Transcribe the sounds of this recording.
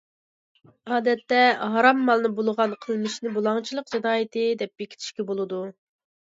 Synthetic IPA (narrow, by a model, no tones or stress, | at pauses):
ɑːd̪ɛt̪ːɛɦɑɾɑmːɑlˠnɨbolˠəʁɑnqʰəlˠmɨʃnɪbolˠɑŋt͡ʃʰilˠəqd͡ʒid̪ɑːjɨt̪ʰɨd̪ɛp̚b̥ekʲi̥t̪ʰɪ̥ʃkʲɛbolˠɨd̪u